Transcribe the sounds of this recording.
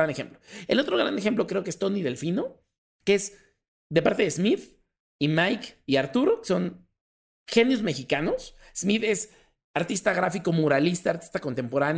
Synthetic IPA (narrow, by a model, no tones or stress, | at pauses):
anexe̞̰mploelo̞t̪ɾo̞ɣ̞ɾa̰nd̪e̞xemp̬lo̞kɾe̞okeest̪o̞niðe̞lfino̞ | keez | d̪e̞paɾt̪e̞ðe̞zmið | imajkiaɾt̪uɾokso̞n | xenjozme̞xikano̞s | zmiðe̞s | aɾt̪ist̪aɣɾafiko̞muɾalist̪aːɾt̪i̥st̪ako̞nt̪e̞mpo̞ɾan